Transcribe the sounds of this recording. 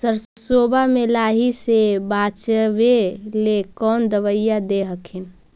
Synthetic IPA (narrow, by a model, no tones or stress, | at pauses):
səɾsəsobamelaɦisebat͡ʃəbelekɔːnd̪əʋəjːad̪eɦəkʰin